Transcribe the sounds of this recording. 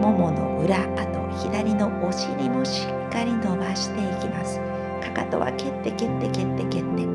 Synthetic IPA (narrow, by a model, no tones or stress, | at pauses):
mo̞mo̞no̞̰ɯ̟ɾaːt̪o̞̰çid̪aɾʲino̞oɕiɾʲimo̞ɕi̥kːaɾʲino̞baɕi̥t̪e̞ikʲimasɨ̥ | kakat̪o̞̰βa̰ke̞t̪ːeke̞t̪ːe̞ke̞t̪ːe̞ke̞t̪ːe̞